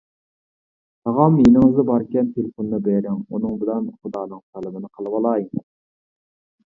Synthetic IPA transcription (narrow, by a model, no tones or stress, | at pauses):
t̪ʰɑʁɑmjenɪŋɨzɨbɑɾkʲɛnt̪ʰelfonːɨbeɾɪŋunɨŋbɪlɛnχʊd̪ɑːnɨŋt̪ʰælˠɪbɪnɨqʰəlˠɨwɑlˠɑːjiŋ